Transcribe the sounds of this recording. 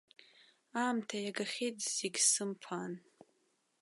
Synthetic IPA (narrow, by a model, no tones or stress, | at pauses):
aːmtʰajaɡaχʲejtʰʼz̥eɡʲsɨmpʰan